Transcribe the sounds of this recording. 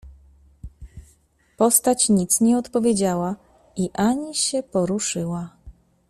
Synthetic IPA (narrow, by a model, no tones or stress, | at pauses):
pɔst̪at͡ɕɲit̪sɲɛɔt̪pɔvʲjed͡ʑawa | iʔaɲiɕɛpɔɾuʂɘwa